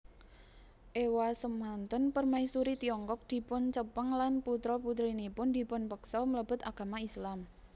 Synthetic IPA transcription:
ʔewasəmːant̪ənpərmaisuɾit̪iɔŋkɔk̚d̪̥i̤pʊnt͡ʃəpəŋlanput̪ɾɔput̪̬ɾinipʊnd̪i̤pʊnpəksɔmələb̥ʊ̤t̪aɡ̥a̤maislam

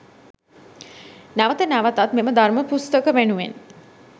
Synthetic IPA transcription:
naʋət̪ənæʋət̪at̪meməd̪arməpust̪əkəʋenuʋḛn

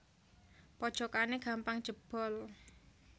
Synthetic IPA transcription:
pɔd̥ʒ̥ɔ̤kaneɡ̥a̤mpaŋ̥ʒ̥əb̥ɔ̤l

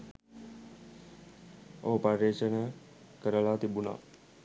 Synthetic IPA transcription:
o̰ɦəpəɾet͡ʃənə | kəɾəlaːt̪ibuna̰ː

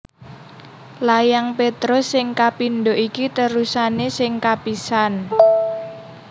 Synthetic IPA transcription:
lajaŋpet̪ɾɔsɪŋkapinɖoʔikit̪əɾusanesɪŋkapisan

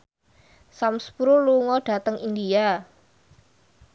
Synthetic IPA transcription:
samspuɾuluŋɔɖ̥a̤t̪əŋindia

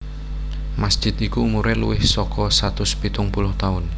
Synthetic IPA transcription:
masd̥ʒ̥ɪt̪ikuːmuɾɛlṵwɪhsɔkɔsat̪ʊspit̪ʊŋpulʊht̪aʊn

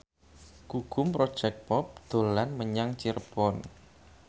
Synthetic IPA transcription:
kuɡ̥ʊ̤mpɾod̥ʒ̥ɛk̚pɔp̚d̪̥o̤lanməɲaŋt͡ʃirpɔn

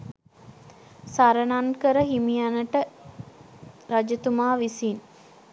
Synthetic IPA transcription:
saɾənankəɾəɦimijanəʈə | ɾad͡ʒət̪umaːʋisin

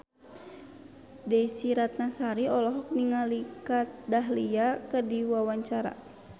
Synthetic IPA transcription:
dɛsiɾat̪̚nasaɾiɔlɔɦɔk̚niŋalikat̪̚daɦliakərdiwawaɲt͡ʃaɾa̰

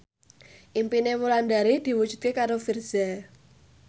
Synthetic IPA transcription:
ʔimpinemuland̪aɾid̪̥i̤wud̥d͡ʒ̥ṳt̪̚kekaɾofirz̥ɛ

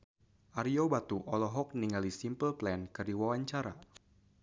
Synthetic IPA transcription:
ʔaɾiobat̪uʔɔlɔɦɔk̚niŋalisimpəlplɛnkərdiwawaɲt͡ʃaɾa

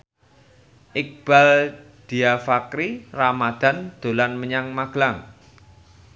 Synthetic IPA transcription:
ʔɪk̚b̥a̤l | d̪̥i̤afakɾiramad̪̥a̤nd̪̥o̤lanməɲaŋmaɡ̥laŋ

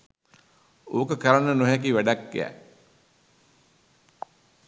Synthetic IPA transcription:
oːkəkəɾanənoɦæk̬iʋæɖakːiæ̰

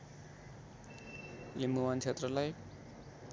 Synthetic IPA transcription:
jemuwant͡sʰet̪rʌlaj

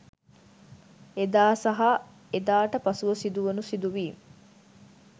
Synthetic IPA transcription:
ed̪aːsɐɦa | ed̪aːʈəpɐsuʋɐsid̪uʋɐnusid̪uʋiː

